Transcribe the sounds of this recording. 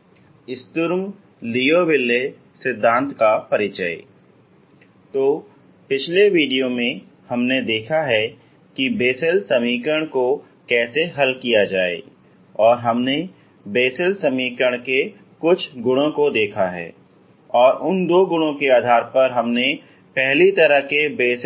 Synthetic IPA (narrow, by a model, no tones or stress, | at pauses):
ɪst̪ʊɾm | lijoʋɪlːe | sɪd̪ʱːãːnt̪kapɐɾɪt͡ʃəḛ | t̪oː | pɪt͡ʃʰleʋiːɖijomẽ | hɐmned̪eːkʰaɦɛ | kibeːsəlsɐmiːkəɽ̃ko | kɛːseɦɐlkijad͡ʒaːḛ | ɔːɾɦɐmne | beːsəlsɐmiːkəɽ̃ke | kʊt͡ʃʰɡʊɽ̃õkod̪eːkʰaɦɛ̰ː | ɔːɾʔʊnd̪oːɡʊɽ̃õkeaːd̪ʱaːɾpɐɾɦɐmne | pɛɦlit̪ɐɾəɦkebeːs